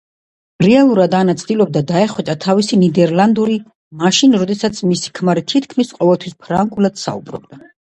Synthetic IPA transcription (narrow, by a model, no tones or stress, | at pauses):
ɾɛalˠuɾad̪anat̪sʰd̪ilˠɔb̚d̪ad̪aɛχwɛt͡ʃ̪ʼat̪ʰavisinid̪ɛɾlˠand̪uɾi | maʃinɾɔd̪ɛsat̪sʰmisi̥kʰmaɾit̪ʰit̪ʰkʰmisqʼɔvɛlˠt̪ʰwispʰɾaŋɡulˠad̪̥sa̰ṵbɾɔ̰b̚d̪a